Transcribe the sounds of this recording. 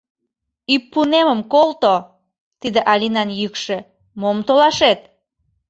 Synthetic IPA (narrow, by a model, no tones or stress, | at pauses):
ypːuneməmkolt̪o | t̪id̪eʔɑlʲinɑnjykʃe | momt̪olɑʃet̪̚